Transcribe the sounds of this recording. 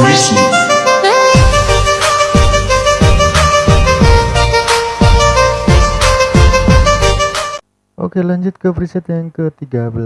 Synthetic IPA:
isi | ʔo̰kelaɲd͡ʒʊt̪̚kəpɾisɛt̪jaŋkət̪iɡabəl

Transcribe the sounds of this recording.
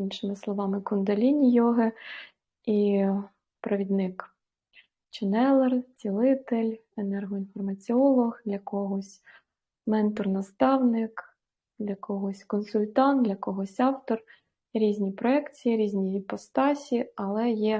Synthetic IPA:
inʃɪmɪslˠɔʋɑmɪkʊnd̪ɐlʲinʲijɔɦɪ | i | pɾɐʋʲid̪nɪk | t͡ʃɛnɛlˠɛrt͡sʲilˠɪt̪elʲ | enɛrɦɔinfɔrmɐt͡sʲiɔlˠɔxd̪lʲɐkɔɦɔsʲ | mɛnt̪ɔrnɐst̪ɑwnɪk | d̪lʲɐkɔɦɔsʲkɔnsʊlʲt̪ɑnd̪lʲɐkɔɦɔsʲɑwt̪ɔr | jɛɾʲizʲnʲipɾɔɛkt͡sʲijiɾʲizʲnʲijipɔst̪ɑsʲiɐlˠɛjɛ

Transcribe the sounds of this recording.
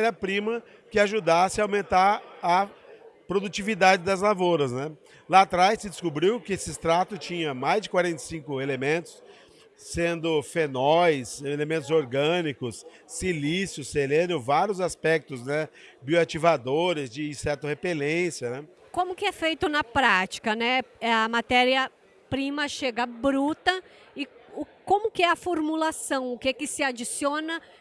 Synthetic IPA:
ɛɾɐpɾĩmɐ | kɪaʒud̪asɪɐawmẽnt̪aɾɐpɾod̪ut͡ʃivid̪ad͡ʒɪd̪ɐzlavoɾɐznɛ | lat̪ɾajsɪd͡ʒɪskubɾiwkɪesɪɪst̪ɾat̪ʊt͡ʃĩɲɐmajzd͡ʒɪkwaɾẽnt̪ɐsĩŋkʊelemẽnt̪ʊ̥s | sẽnd̪ʊfenɔjselemẽnt̪ʊzoɾɡɐ̃nikʊsː | ilisjʊsːelẽnʊvaɾjʊzaspɛk̚t̪ʊznɛbioat͡ʃivad̪oɾɪzd͡ʒɪsɛɾt̪ɐhepelẽsjɐnɛ | kõmʊkɪɛfejt̪ʊnɐpɾat͡ʃi̥kɐnɛɛɐmat̪ɛɾiɐ | pɾĩmɐʃeɡɐbɾut̪ɐ | ɪʊkõmʊkɪɛɐfoɾmulasɐ̃w̃ʊkekɪsɪad͡ʒisiõnɐ

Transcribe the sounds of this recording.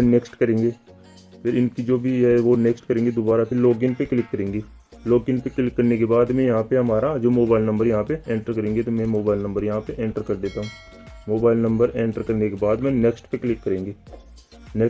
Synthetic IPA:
pɪneksʈkɐɾẽːŋɡeː | pʰɪɾɪnkid͡ʒoːbʱiɦɛʋoneksʈkɐɾẽːŋɡed̪obaːɾapʰɪɾloːɡɪnpeklɪkːɐɾẽːŋɡeː | loːɡɪnpeklɪkːɐɾnekebaːd̪mɛ̃jɐɦãpeɦɐmaːɾad͡ʒoːmoːbaːɪlnɐ̃mbəɾjɐɦãpeẽːɳʈəɾkɐɾẽːŋɡet̪omɛ̃moːbaːɪlnɐ̃mbəɾjɐɦãpeʔẽːɳʈəɾkɐɾd̪eːt̪aːɦũː | moːbaːɪlnɐ̃mbəɾẽːɳʈəɾkɐɾnekebaːd̪mɛ̃ːneːksʈpeklɪkːɐɾẽːŋɡeː | ne

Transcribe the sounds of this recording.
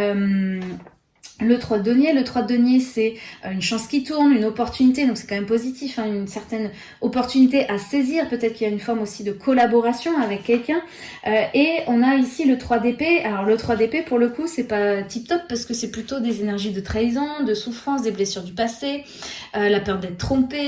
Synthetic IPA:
øm | lət̪χwad̪ɔnjelət̪χwad̪d̪ɔnjesɛøynʃɑ̃skʲit̪uʁnynɔpɔʁt̪ynit̪ed̪ɔ̃ksɛ̥kɑ̃mɛmpozit̪ifɛ̃ynsɛʁt̪ɛn | ɔpɔʁt̪ynit̪eʔaseziʁpøt̪ɛt̪χkiljaynfɔʁmosid̪əkʰɔlabɔʁasjɔ̃avɛkʰʲːɛlkʲɛ̃ | øeɔ̃naisilət̪χwad̪epealɔʁlət̪χwad̪epepuʁləkusɛpat̪ip̚t̪ɔpːaʁsə̥kəsɛplyt̪od̪ezenɛʁʒid̪ət̪χajzɔ̃d̪əsufχɑ̃s̬d̪eblesyʁd̪ypase | ølapœʁd̪ɛt̪t̪χɔ̃pe

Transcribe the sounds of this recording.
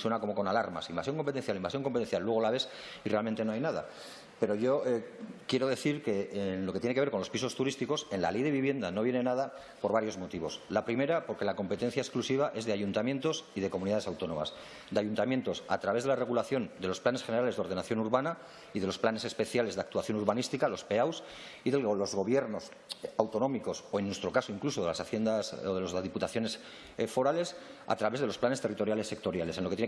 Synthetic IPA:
swe̞nako̞mo̞ko̞nalaɾma̰simbasjo̞ŋko̞mpe̞t̪enθjalimbasjoŋko̞mpet̪e̞nθjalːwe̞ɣolaβ̞e̞s | irealment̪enoajnaða̰ | pe̞ɾo̞ʝo̞ekje̞ɾo̞ð̞e̞θiɾke̞nlo̞ket̪jenekeeɾko̞nlospiso̞st̪uɾist̪iko̞se̞nla̰le̞jðe̞βiβje̞nd̪ano̞βje̞ne̞nað̞a | po̞ɾβaɾjo̞zmot̪iβo̞slapɾime̞ɾapo̞ɾke̞lako̞mpe̞t̪e̞n̟θjaesklusiβ̞aʔe̞zðe̞aʝunt̪amje̞nt̪o̞siðe̞ko̞muniðaðe̞sawt̪o̞nõ̞̰ma̰s | d̪eajunt̪amje̞nt̪o̞sa̰t̪ɾaβe̞zðelare̞ɣ̞ulaθjo̞nd̪elo̞splane̞sxene̞ɾaleðo̞ɾð̞e̞naθjonuɾβana | iðe̞lo̞splane̞se̞spe̞θjale̞zðakt̪uaθjo̞nuɾβanist̪ikalo̞spe̞aws | iðelozɣo̞β̞je̞ɾno̞s | awt̪o̞nõ̞miko̞soenːwe̞st̪ɾo̞kasoiŋkluso̞ðelasaθjend̪asoðelozazðiput̪aθjo̞ne̞s | fo̞ɾale̞sa̰t̪ɾaβe̞zð̞eosplanest̪rit̪o̞ɾjale̞sːe̞k̚t̪o̞ɾjale̞senlo̞kee

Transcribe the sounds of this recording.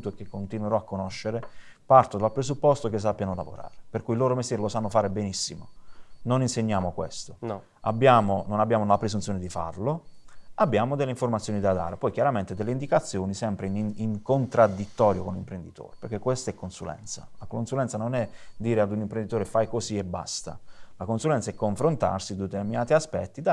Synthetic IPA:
t̪oekːekːont̪inweɾɔakːonoʃːeɾepart̪od̪alpɾesupːɔst̪okes̬ːapːjanola̰vo̰ɾa̰ːɾeperkuiloːɾomest̪jɛːɾelosanːofaːɾebenisːimo̰noninseɲːaːmokwḛst̪o | a̰bːjaːmononabːjaːmonlapɾezunt̪sjoːned̪ifa̰rloabːjaːmod̪elːeiɱfoɾmat̪sjonid̪ad̪a̰ːɾepɔjkjaɾament̪ed̪elːeind̪ikat̪sːjoːnisɛmpɾeniŋkont̪ɾad̪ːit̪ːɔːɾjokonlimpɾend̪it̪o̰ːɾepeɾk̟ekːwest̪aɛkːonsulɛ̰nt̪sa̰lakonsulɛnt̪sanonɛd̪iːɾead̪unimpɾend̪it̪oːɾefajkosiebːa̰st̪a̰lakonsulɛnt̪saɛkːoɱfɾont̪a̰rsid̪et̪erminaːt̪iaspɛ̰t̪ːid̪a

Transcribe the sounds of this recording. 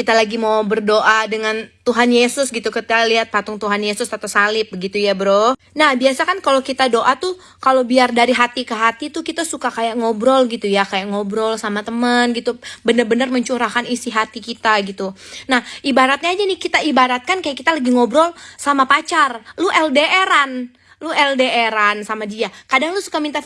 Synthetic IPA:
kit̪alaɡimawbərdoʔadəŋant̪uɦanjesʊsɡit̪ukət̪ialiɦat̪̚pat̪ʊŋt̪uɦanjesʊsat̪awsalɪp̚bəɡit̪ujabɾo | nahbiasakankalowkit̪adoʔat̪u | kalowbiardaɾiɦat̪ikəɦat̪it̪ukit̪asukakajaʔŋobɾɔlɡit̪ujakajaʔŋobɾɔlsamat̪əmənɡit̪ubənərbənərməɲt͡ʃuɾakanisiɦat̪ikit̪aɡit̪unahibaɾat̪̚ɲaːd͡ʒanɪkit̪aibaɾat̪̚kankajaʔkit̪alaɡiŋobɾɔlsamapat͡ʃarluʔɛldeʔeɾan | luɛldeeɾansamadiakadaŋlusu̥kamint̪a

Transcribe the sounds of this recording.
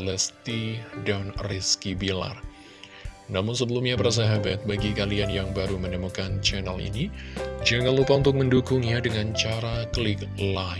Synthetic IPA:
ləst̪idanriskibila̰r | namʊnsəbəlumɲapərs̬aɦabat̪̚baɡikalianjaŋbaɾumənəmukant͡ʃɛnalḭnid͡ʒaɡalupaunt̪ʊk̚məndukʊŋɲadəŋant͡ʃaɾakəlɪkla

